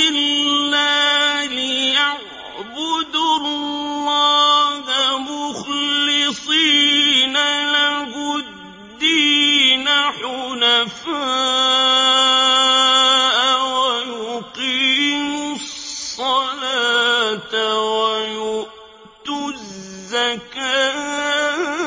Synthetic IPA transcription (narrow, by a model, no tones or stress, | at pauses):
ʔɪlːalɪjaʕ | bʊd̪ʊlːɑːhamʊxlɪsˤiːnalɪbʊ | dd̪ːiːnaħʊlafaː | ʔwajʊqiːmʊssˤːɑlaːt̪wajʊʔ | t̪ʊzːakaː